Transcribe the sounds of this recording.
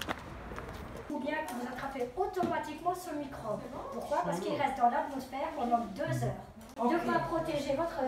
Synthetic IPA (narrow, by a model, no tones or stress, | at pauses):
ubjɛ̃kɔ̃vuzat̪χafɛot̪ɔmat̪ikmɑ̃sɔlmikχopuʁkwapaʁsə̥kilʁɛst̪ɑ̃lavɔ̃spɛʁpɑ̃d̪ɑ̃d̪øzœːʁ̃ | d̪əapχɔt̪eʒevɔt̪χə